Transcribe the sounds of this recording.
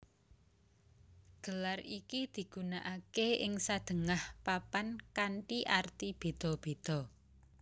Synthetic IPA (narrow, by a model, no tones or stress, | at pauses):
ɡ̥ə̤larikid̪̥i̤ɡ̥ṳnaʔakeɪŋsad̪̥ə̤ŋahpapankaɳʈiʔart̪ib̥e̤d̪̥ɔ̤b̥e̤d̪̥ɔ̤